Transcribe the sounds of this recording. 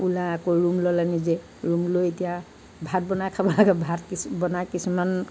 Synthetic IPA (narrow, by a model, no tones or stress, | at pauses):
ulaɛkoɹumlɔlanize | ɹumlojetija | bʱat̚bɔnajkʰabɔlaɡɛbʱatkibɔnajkisuman